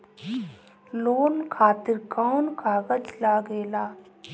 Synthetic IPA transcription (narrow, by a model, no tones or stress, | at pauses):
loːnkʰaːt̪ɪɾkaːnkʰaːɡəd͡ʒlaːɡeːlaː